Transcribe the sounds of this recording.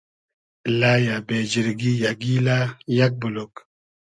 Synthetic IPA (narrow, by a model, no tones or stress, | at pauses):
laːjabed͡ʒiɾɡijaɡilajak̚bulok